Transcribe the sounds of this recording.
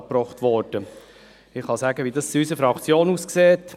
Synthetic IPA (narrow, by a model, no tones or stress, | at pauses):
ppɾɔχtʋɔɾd̥ə | ɪχhɑsæːɡəʋidɑsiysəfɾɑkt͡sjoːnuːskseːt